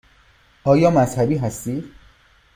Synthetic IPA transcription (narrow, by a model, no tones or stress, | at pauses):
ʔɒːjɒːmæzhæbiːɦæst̪iːd̪̥